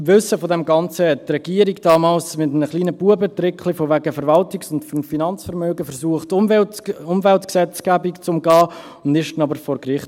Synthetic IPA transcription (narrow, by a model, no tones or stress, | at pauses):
vʏsəfodɛmɡɑnt͡səhɛt̚trɛɡ̥iəɾiɡd̥ɑːmɑːlsmɪtnəχliːnəbuəbətɾɪkχlifovæɡəfɛɾvɑltɪksʊntffinɑnt͡sfɛɾmøːɡəfɛɾsuəχt | ʊmvɛltksɛt͡sɡ̥æbikt͡sʊmɡɑː | ʊndɪʃtnɑbəɾfɔɾkɾɪχt